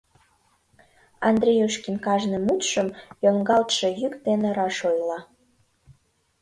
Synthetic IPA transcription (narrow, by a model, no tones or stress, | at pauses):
ɑnd̪rʲejoʃkinkɑʒnemut̪ʃəmjoŋɡɑlt̪ʃejykd̪eneɾɑʃojlɑ